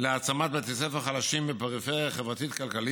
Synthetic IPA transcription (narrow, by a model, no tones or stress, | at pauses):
leat͡samat̪bet̪esefaχalaʃimbepaʁifeʁjaχevʁat̪it̪kalkali